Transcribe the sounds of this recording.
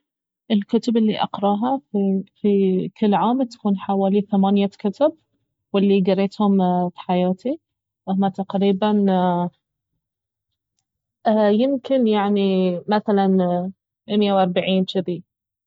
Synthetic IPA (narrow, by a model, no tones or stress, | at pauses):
ʔɪlkʊt̪ʊbɪlːiʔɑ̰qɾˤɑːɦafikɪlːʕaːmt̪ḁkuːnħawaːliθamaːnjakʊt̪ʊb̚ | wɪlːiɡɑɾˤːeːt̪hʊmfi̥ħajaːt̪i | ʔamːat̪aqɾiːban | jɪmkɪnjaʕnimaθalan | ʔɪmjawʔɑɾˤbaʕiːnt͡ʃɪði